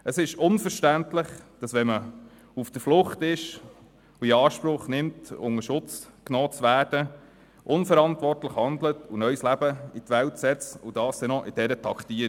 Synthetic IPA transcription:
əsɪʃʊnfəɾʃtæntlɪχd̥ɑsʋɛmə | ufd̥əɾflʊχtɪʃ | uiɑːʃpɾʊχnɪmtʊ̰ŋəʃʊt͡sknɔːt͡sʋæːrd̥ə | ʔʊnfəɾɑntʋɔrtləχhɑnd̪lətunœʏslæbəitʋæltsɛt͡sud̥ɑːstɛnɔʔɪd̥ɛɾətʰɑkt̪iə

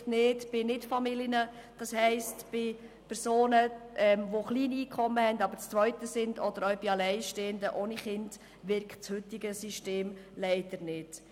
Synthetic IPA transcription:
tnɪːdb̥ɪnɪtfɑmilənəd̥ɑshɛɪstb̥ɪ | pʰɛɾsoːnəʔɛmʋoχliːniːkʰχɔmːəhɛndɑbəɾt͡st͡sʋœʏt̪əsɪndɔd̥əɾœɥb̥ɪɑlɛɪʃteːəndəʔoːniχɪnd | ʋɪɾkχtt͡shʉt̪ɪɡəsiʃteːmlɛɪd̥əɾnɪd̥

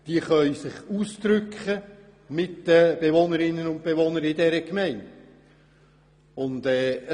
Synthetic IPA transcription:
d̪̥iəχœʏsɪχuːsd̪ɾʏkχə | mɪtdəb̥evonəɾɪnːənʊnt̚b̥eʋonəɾɪdɛɾəkmɛɪnd | ʊndɛː

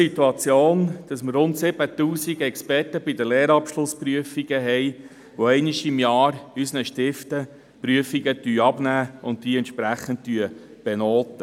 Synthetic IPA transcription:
it̪uɑt͡sjoːnd̥ɑsmərrʊntsɪb̥ət̪uːsiɡɛkspɛrtəbɪdəlɛːɾɑpʃlʊspɾyəfiɡəɦɛj | ʋɔɛɪniʃɪmjɑːɾysənəʃtɪftə | pɾyəfiɡətyːɑbnæːʊnttiːɛnt̪ʃpɾæχənttyəb̥ɛnoːt̪ə

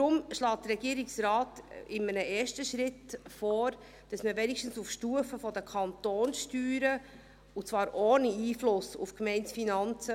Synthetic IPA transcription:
tɾʊmʃlɑːt̚dəɾɛɡiəɾɪksɾɑːtɪmənəʔeːʃtəʃɾɪtfɔːɾ | d̥ɑsməvɛnikʃtn̩sufʃtuːəfəfɔdəkʰɑnt̪oːnsʃtyːɾə | ut͡svɑːɾʔoːniiːflʊsṵfkmɛɪntsfinɑnt͡sə

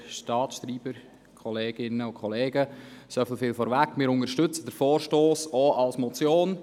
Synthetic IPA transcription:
ʃtɑːtsʃtɾiːbəɾ | kʰɔleːɡ̥ɪnəʊkʰχɔleːɡəsofɪlfɪːlfɔɾʋækmɪːɾʊnəɾʃtʏt͡səd̥əɾfɔːɾʃtoːsɔʔɑlsmɔt͡sjoːn

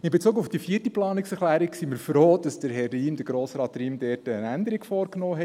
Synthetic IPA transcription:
ɪnbet͡suːkʊfd̥ifiːətəplɑːnɪksɛɾχlæːɾɪksiməɾfroːd̥ɑsd̥əɾɦɛrːiːmd̥əɾɡɾoːsɾɑːtriːmdɛːtəənændəɾiɡfɔːɾknɔːɦɛ

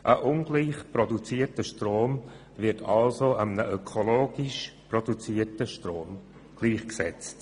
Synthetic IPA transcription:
ʔəʔʊnɡliːχprɔdut͡siːətəʃtroːm | vɪɾtʰɑlsoamənəʔœkʰoloːɡɪʃprodut͡siːətəʃtroːm | ɡ̥liːχksɛt͡st

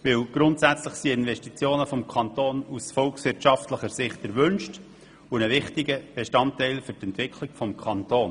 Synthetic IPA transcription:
ʋɪwɡ̥ɾʊntsæt͡sləχsiɪnʋɛʃtit͡sjoːnəfɔmkʰɑnt̪oːnusfɔlksʋɪɾrtʃɑftləχəɾsɪχt̚d̥ɛɾʋʏnʃt | unəʋɪχtiɡəb̥eʃtɑntɛɪlfɵɾtɛntʋɪkʰliɡ̥fɔmkʰχɑnt̪oːn

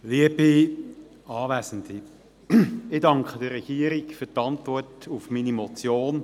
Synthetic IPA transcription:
liəb̥i | ɑːʋɛːsndi | ɪdɑŋkχədəɾɛɡ̥iːəɾikfyːtɑntvɔrtufminimɔt͡sjoːn

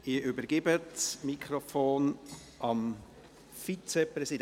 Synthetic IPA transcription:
ɪʔʏbəɾɡɪbətsmikʰχɾofoːn | ʔɑm | fit͡sɛprɛsid

